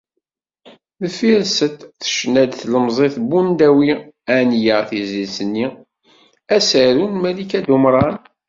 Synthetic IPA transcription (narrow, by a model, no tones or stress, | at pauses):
ðəfiɾsət̪θə̥ʃnæd̪θləmzˤeθbund̪æwiænjəʁθizisənːi | æsəɾunmælikæd̪umɾˤɑn